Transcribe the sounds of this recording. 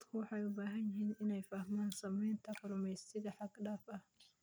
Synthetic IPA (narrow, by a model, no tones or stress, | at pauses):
d̪kʰʊwɑħɑjʊbaːɦɐnjɪɦiːnʔɪnɛjfɐhmaːnsɐmɛjnt̪ʰɐkʊɾʊmɛjst̪ɪðɐħɑɡɗaːfɐh